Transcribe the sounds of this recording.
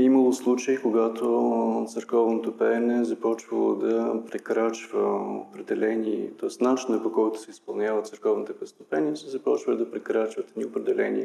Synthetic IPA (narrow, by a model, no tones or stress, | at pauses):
iməlˠoslˠut͡ʃəikoɡat̪ot̪sɛɾkɔvnot̪opɛnɛzɐpɔt͡ʃvəlˠo̰d̪ɐpɾɛkɾat͡ʃvəo̰pɾɛd̪ɛlɛniɛt̪ɔɛst̪nat͡ʃinəpokɔjt̪ʊ̥sɛispɐlˠnʲjavət̪sɛɾkɔvnit̪ɛpɛst̪o̥pɛniəsɛzɐpɔt͡ʃvəld̪ɐpɾɛkɾat͡ʃvət̪ɛniopɾɛd̪ɛlɛnʲḭɛ